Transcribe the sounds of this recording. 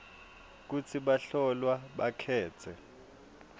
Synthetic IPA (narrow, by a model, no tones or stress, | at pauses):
k̬ut͡sʰiɓaɬɔlwaɓakʰɛːt͡sʰɛ